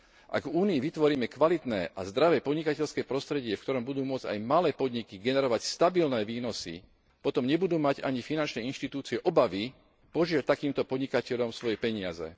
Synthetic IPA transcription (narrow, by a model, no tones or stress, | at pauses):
ʔa̰ɡvuːniːʋit̪ʋɔɾiːmɛkʋalit̪nɛːʔazd̪ɾaʋɛːpɔd̪ɲikacɛʎskɛːpɾɔst̪ɾɛɟɪɛfkt̪ɔɾɔmbud̪uːmʊɔd͡za̰jmalɛːpɔd̪ɲikiɡɛnɛɾɔʋacst̪abilnɛːʋiːnɔsḭ | pɔt̪ɔmɲɛbud̪uːmaɟa̰ɲifinant͡ʃnɛːinʃt̪it̪uːt͡siɛʔɔbaʋi | pɔʒɪat̪akiːmt̪ɔpɔd̪ɲikacɛʎɔmsʋɔjɛpɛɲɪazɛ̰